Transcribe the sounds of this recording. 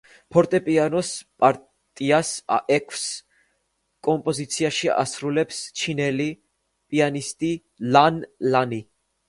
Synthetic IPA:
pʰɔɾt̪ʼɛpʼianɔspʼaɾ | t̪ʼiasa̰ʔɛkʰs | kʼɔmpʼɔzit̪sʰiaʃia̰sɾulɛpst͡ʃʰinɛli | pʼianist̪ʼi | lanlani

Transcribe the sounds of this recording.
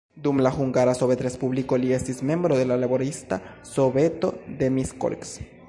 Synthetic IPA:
d̪umlaxuŋɡaɾasoβet̪ɾespuβlikoliesismjembɾoðelalaβoɾist̪a | soβet̪o̰ðemisko̰lks

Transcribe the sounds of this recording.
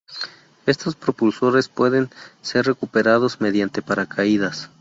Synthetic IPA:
e̞st̪o̞spɾopulso̞ɾe̞spwe̞ðe̞nse̞rre̞kupe̞ɾaðo̞zme̞ðjant̪e̞paɾakʰaiðas

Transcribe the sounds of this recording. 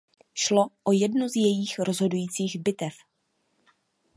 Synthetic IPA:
ʃlo̞ʔojɛdnozjɛjiːxɾo̞zɦo̞dujiːt͡siːɣbɪt̪ɛf

